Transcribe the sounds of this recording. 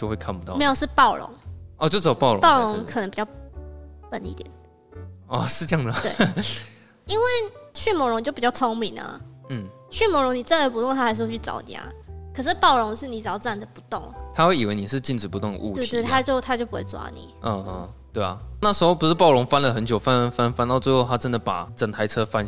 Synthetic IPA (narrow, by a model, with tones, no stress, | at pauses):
t͡ɕjo˥˧xwe˥˧ɪkʰa˥npu̥˨˩t̪ɑ˥˨me˧˥jo˨˩ʂɻ̩˥˧pɑ˥˩ʊɻʊ̰˧˦ŋɔ˧˩t͡ɕjo˥˩ʊt͡sɑ˨˩ʊpɑ˥˩ʊlo̰˨˦pɑ˥˩ʊɻʊ˧˦ŋkʰə˨˩nə˧˦ŋpi˨˩t͡ɕjɑ˥˩ʊ | pə˨˦nḭ˥˩t̪jɛ̰˨˩˦n | ɔ˥˩ʂɻ̩˥˧t͡ɕɑ˥˩ŋd̪ə˨˩w | i˦˥nwe˥˩ɪɕy˥˩mwɔ˧˥ɻʊ˧ŋt͡ɕjo˥˩ʊpi˨˩t͡ɕɑ˥ʊt͡sʰo˥ŋmi˨˩nə̰˩n̩˥˩ | ɕy˥˩mɔ˧˥ɻʊ˧˥ŋni˨˩t͡sa˥˩nd̪ə˨˩p̬u˧˥t̪ʊ˥˩ŋt̪ʰa˥˧˥ʂ̬̩˥˧wt͡ɕʰy˥˩ɑ̰˨˩ʊt͡ɕ̪ja̰a̰˧˦kʰɤ˨˩ʂ̬ɻ̩˥˧pɑ˥˩ʊɻʊ˧˥ŋʂɻ̩˥˩ni˨˩t͡sɑ˨˥ʊt͡sa˥˩nd̪ə˩pu˧˥t̪ʊ˥˨˩ŋt̪ʰa˥xwe˥˩i˨˩we˧˥ɪni˨˩ʂ̬ɻ̩˥˧t͡ɕi˥˩nʈ͡ʂɻ̩˨˩pu˧˦ʊ˥˩ŋd̪ə̰˨u˥˧t̪e˥˧t̪e˥˩ɪt̪ʰa˥t͡ɕjo˥˧ʊt̪ʰa˥t͡ɕjo˥˩ʊpu˧˥wḛ˥˧˩t͡swa̰˥nḭ˨˩ʔə˧˩˧t̪we˥˩ɪɐ̰˩na˥˩ʂɻ̩˧˥xo˥˧ʊpu˧˥ʂɻ̩˥˩pɑ˥˩ʊlʊ˧˥ŋfa˥nlə˨xə˧˦nt͡ɕjo˨˩ʊfa˥fa˥nfa˥nt̪ɑ˥˧ʊt͡swe˥˧ɪxo˥˧ʊt̪ʰa˥ʈ͡ʂə˦˥nd̪ə˨˩pa̰˨˩ʈ͡ʂə˨˩ŋt̪ʰa˧˥ɪʈ͡ʂʰɤ˥fa˥n